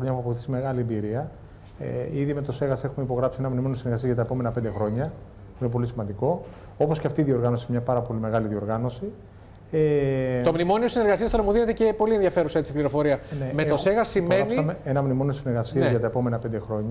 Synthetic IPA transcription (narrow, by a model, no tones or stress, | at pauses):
ɾoɲɐuɐpoθi̥sime̞ɣɐliembiɾiɐ | ḛiðime̞t̪o̞se̞ɣɐse̞xumeipo̞ɣɾɐpsienɐmnimo̞niosineɾɣɐsiɐzʝɐt̪ɐepo̞me̞nɐpe̞nd̪exɾo̞ɲɐ | puinepo̞lisimɐnd̪iko̞ | o̞po̞sceɐft̪iːðio̞ɾɣɐno̞simɲɐpɐɾɐpo̞lime̞ɣɐliðio̞ɾɣɐno̞si | et̪omnimo̞niosineɾɣɐsiɐst̪onɐmuðine̞t̪ecepo̞lienðiɐfe̞ɾusɐet͡sipliɾo̞fo̞ɾiɐnemet̪oseɣɐsime̞nimeenɐmnimo̞niosineɾɣɐsiɐzʝɐt̪ɐepo̞me̞nɐpe̞nd̪e̞xɾo̞ɲɐ